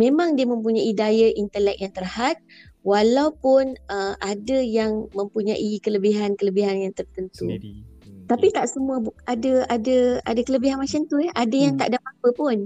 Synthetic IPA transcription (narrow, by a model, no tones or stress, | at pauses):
mẽmãŋdiəmə̃mp̬uɲaidajaʔint̪əlɛk̚jaŋt̪ərhat̪̚walawpʊnəʔadajaŋmə̃mpuɲaʔikələbiɦankələbiɦanjaŋt̪ərt̪ənt̪u | t̪apit̪aʔsəmuəbadəadəa̰dakələbiɦanmat͡ʃant̪uɛʔadajaŋt̪a̰ʔdapapəpʊn